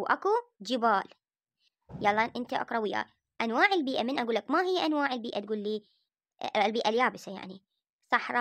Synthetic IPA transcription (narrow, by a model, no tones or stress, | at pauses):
ʔa̰kud͡ʒɪbaːl | jɑlˤːɑʔɪnt̪aʔa̰kɾˤɑwiːʔa̰ | ʔanwaːʕɪlbiːʔamɪnʔaɡuːlːakmaɦɪjːaʔanwaːʕɪlbiːʔat̪̚ɡuːlːiː | lbiːʔaljaːbɪsaja̰ʕni | sˤɑħɾˤɑ